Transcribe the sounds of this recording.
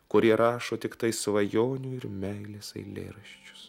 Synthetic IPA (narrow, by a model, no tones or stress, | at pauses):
kʊɾʲiɛɾɑːʃoːt̪ʲɪkt̪ɐɪsʋɐjoːnʲuːɪɾmʲɛɪlʲeːsɐ̰ɪlʲḛːɾɐʃʲt͡ʃʲʊ̥s